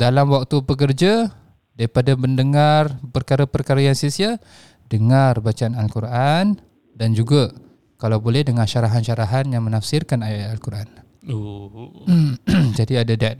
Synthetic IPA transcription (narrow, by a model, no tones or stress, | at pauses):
dalamwak̚t̪upək̬ərd͡ʒa | daɾipadaməndəŋarpərkaɾapərkaɾajaŋsisia | dəŋarbat͡ʃaanalkuɾʔan | dand͡ʒuɡa | kalawbolɛhdəŋarʃaɾaɦanʃaɾaɦanjaŋmənafsɪrkanajalkuɾʔan | o | d͡ʒadiadadɛt̪̚